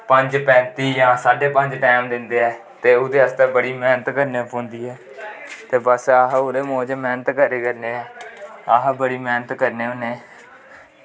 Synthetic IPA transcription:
pəɲd͡ʒpɛ̃ːnt̪iːjãːsaːɖeːpəɲd͡ʒʈɛːmd̪ɪnd̪eːɛː | t̪eːod̪eːəst̪eːbəɽiːmɛːnət̪kəɾneːpʰõːnd̪iːɦɛː | t̪eːbəsaɦʊɾeːmoːd͡ʒmɛːnət̪kəɾeːkəɾneːɛːaːɦbəɽiːmɛːnət̪kəɾneːoneː

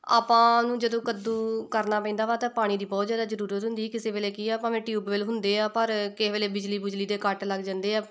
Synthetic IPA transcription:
a̰ːpãːnũːd͡ʒəd̪õːkəd̪uːkəɾnaːpɛ̃ːnd̪aːʋaːt̪ãːpaːɽ̃iːd̪iːbɔːt̪zjaːd̪aːzəɾuːɾət̪ɦʊnd̪iːkɪseːʋeːleːkiːɛːpãːmɛ̃ːʈjuːbʋeːlɦʊnd̪eːaːpəɾkɪʋeːleːbɪd͡ʒliːbɪd͡ʒliːd̪eːkəʈləɡd͡ʒãːnd̪eːaː

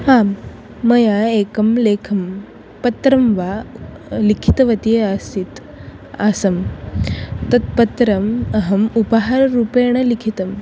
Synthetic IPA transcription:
hamː | ɐjaekɐmlekʰɐm | pɐt̪ɾɐmʋa | likʰi̥t̪ɐʋɐt̪ieasit̪ | asɐm | t̪ɐt̪̚pɐt̪ɾɐməɦɐmupəɦaɾːupeɳ̃ɐlikʰit̪ɐm

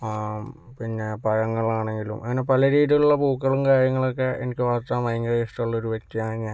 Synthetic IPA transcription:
pinːe̞pɐɻɐŋːɐɭaːɳe̞ŋɡilumʔɐ̰ŋːɐne̞pɐlɐɾiːðijɐluɭːɐbuːkːɐɭumkaːɾjɐŋːɐɭo̞kːe̞ʔḛnikʲːɨʋaːrt̪aːmɐjŋɡɐðesiʈɐuɭːɐoɾuʋɐkt̪ːijaːɳeŋːa

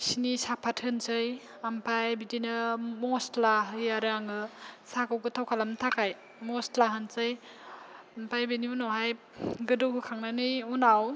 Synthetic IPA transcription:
sinisapʰatʰhɯnsɯj | ampʰajbidinɯmɔstlaɦɯjaɾɯaŋɯsakɯwkɯtʰawkʰalamtʰakʰaj | mɔstlaɦɯnsɯj | ampʰajbeniunɔɦaj | ɡɯdɯwkɯkʰaŋnanɯjunaw

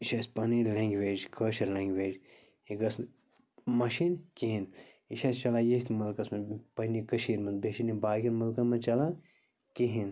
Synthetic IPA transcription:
iʃasʲpɐnilẽːŋɡʋeːd͡ʒkʰəʃɐɾlẽːŋɡʋeːd͡ʒ | iɡɐs | mɐʃinkʲeɦin | iʃast͡ʃɐlajet̪ʰʲmɐlkɐsmɐnpɐnikəʃiːɾmɐnd̪beʃinibaːɡʲɐnmɐlkɐmɐnt͡ʃɐla | kʲeɦin

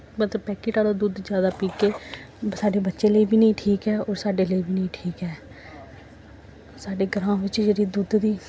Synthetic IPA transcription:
bət̪pɛːkiːʈaːɽaːd̪uːd̪d͡ʒjaːd̪aːpiːkeː | saːɖeːbətːʃẽːləiːbʱiːnəĩːʈʰiːkɛːɔːɾsaːɖeːləiːbiːnəĩːʈʰiːkɛː | saːɖeːɡəɾãːʋɪt͡ʃd͡ʒeːɽiːd̪uːd̪d̪iː

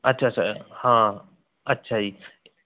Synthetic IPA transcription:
ɐtːʃʰaːt͡ʃʰahã | ɐtːʃʰai

